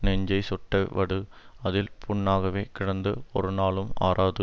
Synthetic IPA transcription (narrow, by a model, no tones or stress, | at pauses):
nɛɲd͡ʒɐɪsɔʈːɐɪʋɐɽɯɐðɪlpʰʊɳːaːɣɐʋeːkɪɽɐnd̪ɯɔɾɯnaːɭɯma̰ːɾʔaːðɯ